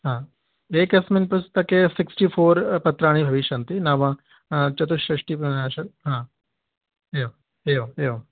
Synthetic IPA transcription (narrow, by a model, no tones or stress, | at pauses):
ɦãː | eːkɐsminpɐst̪ɐkesɪksʈiːfʰoːɾpɐt̪ɾaːɽ̃ibʱɐʋɪʃɐnt̪inaːʋãː | t͡ʃɐt̪uʃɾɐʂʈiːpɾɐnaːʃɐkɦãː | eo | eoeo